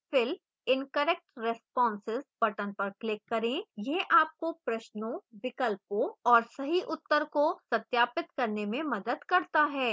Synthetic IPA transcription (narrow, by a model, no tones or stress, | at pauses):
fɪl | ɪnkɐɾɛk̚ʈɾɪspɔ̃ːnsɪzbɐʈənpɐɾklɪkːɐɾẽjeʔaːp̚kopɾɐʃnõʋɪkəlpõɔːɾsɐɦiʔʊt̪ːəɾkosɐt̪jaːpɪt̪kɐɾnemẽmɐd̪əd̪kɐɾt̪aɦɛː